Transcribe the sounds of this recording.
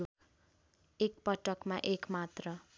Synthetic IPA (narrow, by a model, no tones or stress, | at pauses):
ek̚pʌʈʌkmaʔekmat̪rʌ